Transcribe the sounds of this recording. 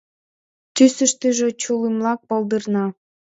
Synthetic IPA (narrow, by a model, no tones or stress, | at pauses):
t̪ysə̆ʃt̪əʒe̽t͡ɕulimlɑk̚pold̪ərnɑ